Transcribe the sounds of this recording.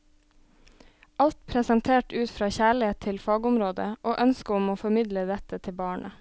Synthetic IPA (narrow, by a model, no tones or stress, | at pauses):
ʔɑlt̪pʰɾɛsɑnt̪ʰeːʈʉːt̪fɾɑːçæːɭɪeːt̪ʰːɪlfɑːɡʊmɾoːd̪ə̰ʔoːʔœnskəʊmoːfɔmɪd̪ləd̪ɛt̪ət̪ʰɪbɑːɳə